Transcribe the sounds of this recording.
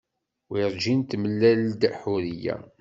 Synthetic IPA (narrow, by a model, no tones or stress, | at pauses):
wiɾd͡ʒint̪məlːæld̪æħuɾijæ̰